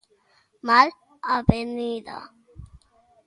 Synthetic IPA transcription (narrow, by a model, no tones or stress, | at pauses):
mal | abenid̪a̰